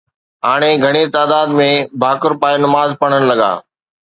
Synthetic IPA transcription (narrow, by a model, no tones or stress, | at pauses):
ɦaːɽ̃eɡʱɐɽ̃et̪aːd̪aːd̪mẽbʱaːkʊɾpaːenɐmaːzpɐɽ̤̃ən̆lɐɠa̰ː